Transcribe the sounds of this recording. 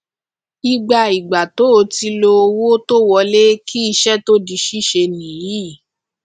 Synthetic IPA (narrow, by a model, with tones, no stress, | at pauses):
i˧ɡ͡ba˧i˨ɡ͡ba˨to˨˦o˧ti˧lo˧o˧wo˦to˦wɔ˧le˦kʰi˦i˧ʃɛ˦to˦di˧ʃi˦ʃe˧nĩ˨ji˨˦˨